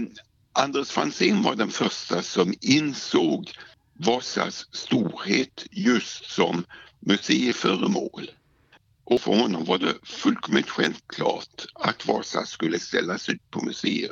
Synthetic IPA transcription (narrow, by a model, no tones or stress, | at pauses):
ʔand̪esfansɪːnvaɖɛnfœʂʈasɔmɪnsoːɡ | vɑːsa̰sːt̪uːɾheːt̪jɵst̪sɔmːɵseːɪfœːɾəmoːl | ʔɔfœɾhɔnːɔmvaɖɛfɵlkʰɔmɪt̪ɧɛlvkʰlɑːʈat̪vɑːsa̰skɵlːəst̪ɛlːasʉ̟ːt̪̚pʰɔmɵseːə